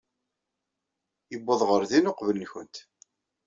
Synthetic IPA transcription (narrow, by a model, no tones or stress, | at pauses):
jəbːəðˤʁəɾðinoqvələnçənt̪